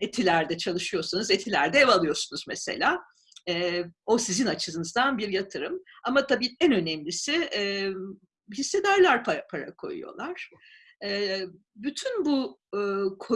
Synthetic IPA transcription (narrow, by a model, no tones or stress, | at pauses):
et̪ʰilʲæɾd̪ɛt͡ʃʰalˠɯʃɯjo̞ɾsunuze̞t̪ʰilʲæɾd̪ɛɛvalˠɯjo̞ɾsunuzmese̞̰lʲaː | ɛːo̞sizinat͡ʃʰɯzɯnɯzd̪anbiɾjat̪ʰɯɾɯm | amat̪ʰabiːɛnø̞nɛmlʲisɪɛ | ɦisːe̞d̪æɾlʲˠæɾpʰapʰaɾa̰kʰo̞̰jṵjo̞̰lˠaɾ̥ | ɛː | byt̪ʰynbu | kʰo